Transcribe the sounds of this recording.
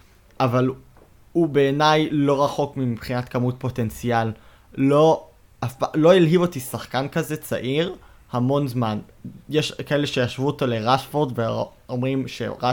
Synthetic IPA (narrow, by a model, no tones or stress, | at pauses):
ʔaval | ubeːnajlo̞ʁaχo̞kmipχinatkamut̚po̞te̞nt͡sial | lo̞ | afpalo̞ilɦivo̞tisaχkankaze̞t͡sa̰ʔiʁ | hamo̞nzman | jeʃkae̞le̞ʃe̞jaʃvuotole̞ʁaʃfo̞ʁdve | omʁimʃḛʁa